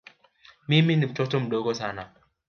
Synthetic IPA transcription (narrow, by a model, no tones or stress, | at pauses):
miminimtotom̩doɡosana